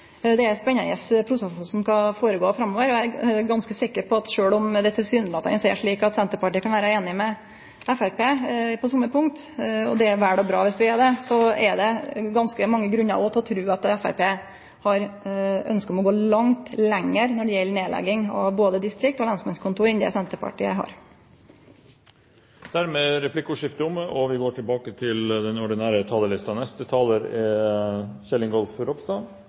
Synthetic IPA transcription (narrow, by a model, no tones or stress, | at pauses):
d̪ɛæɾspɛɲːɑnə̰spʰɾʊsɛsəsɔmskɑfoːɾəɡoːfɾɑmːoːʋəɾɔæɾɡɑnskəsɪkːəɾpʰɔɑt̪ʂøːɭɔmd̪ɛt̪ʰɪlsyːnlɑt̪ːɑ̰ɛsɔɛ̰ʂɭiːkɑt̪sɛnt̪əɾpɑʈiːəkɑnʋæːɾɑeːnɪmɛ | ɛfæɾpeːpʰɔsɔmːəpʰʊŋkt̪ɔ̰d̪ɛæɾʋæːɖɔbɾɑ̰ːʋɪsd̪ʋɪæɖ̪ɛsɔɛd̪ɛɡɑnskəmɑŋːəɡɾʉnːɑ̰ɔɔt̪ʰːɔt̪ʰɾʉːɑt̪ɛfæ̰ɾpeː | hɑɾœ̰nskət̪ɔmɔɡoːlɑŋt̪lɛŋːəɾnɔɖɛjɛlːəneːlɛ̰ɡɪŋɑʋboːd̪əd̪ɪst̪ɾɪk̚t̪ɔːlɑnsmɑnskʰʊnt̪uːɾɪnd̪ɛ̰sɛnt̪əpʰɑ̰ʈḭːəɦɑ̰ɾ | d̪̥æɾmeːɾɛpʰlɪkːʊʂɪft̪əʊməʔɔʋɪɡoːʈʰɪlbɑːkət̪ʰɪld̪ɛnɔɖɪnæːɾət̪ʰɑːləlɪst̪ɑnɛst̪ət̪ʰɑːləɾ | çɛlːɪŋɡɔlfɾɔpsd̪ɑ